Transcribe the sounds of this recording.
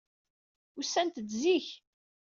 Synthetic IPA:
usːænt̪ət͡sziç

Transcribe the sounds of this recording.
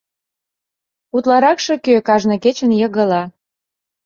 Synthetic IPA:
ut̪lɑɾɑkʃɤkøkɑʒnɤ̆ket͡ɕənjɤɣə̆lɑ

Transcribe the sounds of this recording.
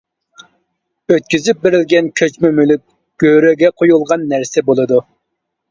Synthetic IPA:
øt̪̚kʲyzyp̚beɾɪlɡʲɛnkʲʰøt͡ʃmɛmylyk̚ʲ | ɡ̥ʲøɾøɡʲɛqʰojulˠʁɑnːæɾsɛbolˠɨd̪u

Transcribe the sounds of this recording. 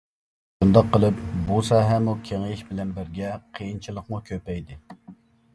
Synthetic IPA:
ʃund̪ɑqʰːəlˠɨpbusɑːɦɛmukʲʰeŋliʃbɪlɛnbɪɾɡʲɛqʰəjint͡ʃʰilˠəqmukʲʰøpɛjd̪ɪ

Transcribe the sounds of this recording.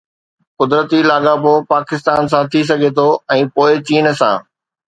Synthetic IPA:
qʊd̪ɾət̪ilaːɠabopaːkɪst̪aːns̬ãt̪ʰis̬ɐɡʱet̪ʰoɛ̃ːpoːɪt͡ɕiːnsã̰ː

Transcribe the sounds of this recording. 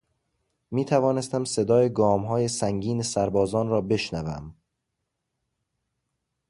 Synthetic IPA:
miːt̪ʰævɒːne̞st̪æmse̞d̪ɒːjeɡɒːmɦɒːje̞sæŋɟiːnesæɾbɒːzɒːnrɒːbe̞ʃnævæ̰m

